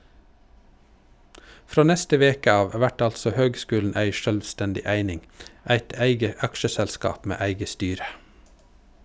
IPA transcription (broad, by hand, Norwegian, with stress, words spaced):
ˈfɾoː ˈnɛstə ˈʋeːkə ˈɑːʋ ˈʋæʈ ˈɑltsɔ ˈhøːɡˌskʉːln̩ ˈæɪ ˈʃœlʋˌstɛndɪ ˈæɪnɪŋ ˈæɪt ˈæɪɡə ˈɑkʃəsɛlˌskɑːp ˈmeː ˈæɪɡə ˈstyːɾə